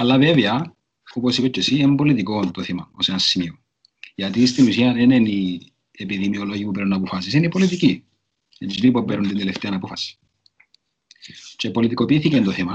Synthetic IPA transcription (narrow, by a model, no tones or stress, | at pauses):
ɐlːaveveɐ | oposipet͡ʃːesiemmbolit̪ikont̪oθimɐo̰senɐsːimio | ʝɐt̪ist̪inusiɐneneni | epiðimioloʝipupeɾunɐpofɐs̬isenipolit̪ici | ed͡ʒinipopeɾunt̪ind̪eleft̪eɐnɐpofɐsi̥ | t͡ʃepo̞lit̪iko̞piːθicent̪oθimɐ